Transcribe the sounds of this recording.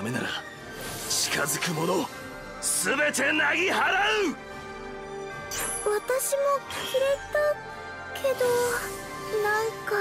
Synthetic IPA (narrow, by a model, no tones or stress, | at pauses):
me̞na̰ɾa̰ | t͡ɕi̥ka̰zɨkɯ̟mo̞no | sɨbe̞t̪e̞naɡʲiɦaɾaɯ | βat̪aɕimo̞kʲi̥kʲiɾet̪a | kʰe̞d̪o | nãŋka